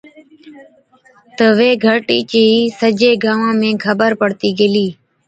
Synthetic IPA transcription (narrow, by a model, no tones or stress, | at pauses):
t̪əʋeːɡʱəʈḭːt͡ʃəɦiːsəd͡ʒeːɡaːʋãːmẽːkʰəbəɾpəɽt̪iːɡeːliː